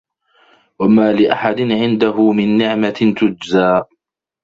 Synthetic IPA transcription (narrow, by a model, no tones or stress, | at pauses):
wamaːlɪʔaħad̪ɪnʕɪnd̪aɦʊmɪnːɪʕmat̪ʊd͡ʒzaː